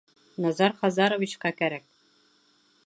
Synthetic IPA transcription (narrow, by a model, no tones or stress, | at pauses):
nɑzɑɾχɑzɑɾŏvit͡ɕqɑkæɾæk̚